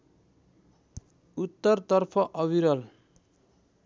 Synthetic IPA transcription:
ut̪ːʌrt̪ʌrpʰʌʔʌβiɾʌl

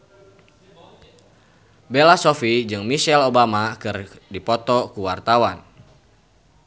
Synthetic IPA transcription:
belasofid͡ʒɨŋmiʃɛlobamakɨrdipɔt̪ɔkuwart̪awan

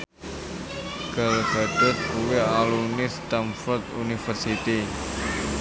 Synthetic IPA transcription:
ɡ̥alɡad̪ʊt̪̚uwealunist̪anfɔrt̪ṵnifərsit̪i

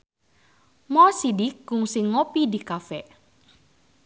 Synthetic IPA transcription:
mɔsidiɡ̥ʊŋsɪŋːopidikafɛʔ

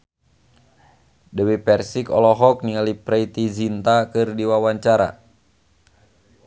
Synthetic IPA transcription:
dəwipɛrsikɔ̰lɔɦɔk̚niŋalipɾɛit̪id͡ʒint̪akɨrdiwawaɲt͡ʃaɾa̰

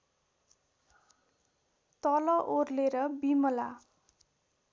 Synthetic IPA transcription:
t̪ʌlʌʔorleɾʌbimʌla

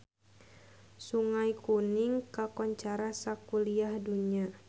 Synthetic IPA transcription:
suŋajkuniŋkakɔɲt͡ʃaɾasakuliahduɲa

